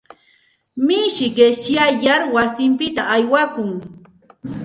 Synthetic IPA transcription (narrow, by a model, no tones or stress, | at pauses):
mɪʃɪɢeʃjajaɾwasɪmpɪt̪aʔajwakʊŋ